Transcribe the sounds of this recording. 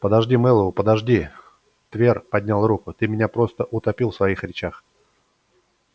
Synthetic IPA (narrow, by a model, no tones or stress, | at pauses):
pəd̪ɐʐdʲimɛlˠəvʊpəd̪ɐʐdʲi | t̪vʲerpɐd̪ʲnʲalˠrukʊt̪ɨmʲɪnʲapɾo̞st̪əʔʊt̪ɐpʲilˠfsvɐixɾʲɪt͡ɕax